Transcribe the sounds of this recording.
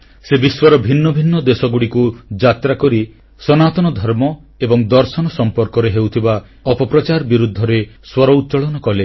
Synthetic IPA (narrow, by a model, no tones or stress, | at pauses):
sebiswɔɾɔbʱinːɔbʱinːɔd̪esɔɡuɽikud͡ʒat̪ɾakɔɾi | sɔnat̪ɔnɔd̪ʱɔɾmɔ | ebɔŋd̪ɔɾsɔnɔsɔmpɔɾkɔɾeɦewt̪ʰiba | ɔpɔpɾɔt͡ʃaɾbiɾud̪ʱːɔɾeswɔɾɔut̪t͡ʃɔɭɔnɔkɔle